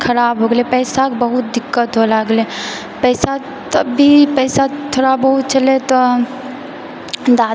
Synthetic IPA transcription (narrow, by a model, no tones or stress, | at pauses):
kʰəɾaːbɦoɡlepɛɪsakbəɦut̪̚d̪ɪkːət̪ɦolaɡle | pɛɪsa | t̪əbːipɛɪsat̪ʰoːɽabəɦut̪̚t͡ʃəlet̪ɔ | d̪a